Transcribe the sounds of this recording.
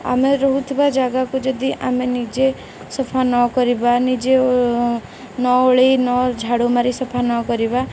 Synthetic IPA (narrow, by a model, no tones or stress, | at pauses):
a̰meɾɔɦut̪ʰibad͡ʒaɡakud͡ʒɔd̪iʔamenid͡ʒe | sɔpʰanɔkɔɾibanid͡ʒe | nɔoɭinɔd͡ʒʱaɽomaɾisɔpʰanɔkɔɾiba